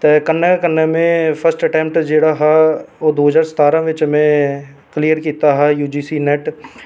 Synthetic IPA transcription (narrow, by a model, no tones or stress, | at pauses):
t̪ɛːkənːekənːemẽpʰəsʈəʈɛ̃ːmpʈd͡ʒeːɽaɦɛoːd̪oːɦəzaːɾsə̥t̪aːɾãʋɪt͡ʃmẽ | klijəɾkiːt̪aɦɛjuːd͡ʒiːsinɛːʈ